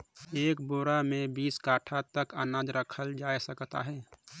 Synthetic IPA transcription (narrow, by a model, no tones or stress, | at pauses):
eːkboːɾamẽbiːskaːʈʰat̪əkənaːd͡ʒɾəkʰəld͡ʒaːjsəkt̪a̰ɦɛː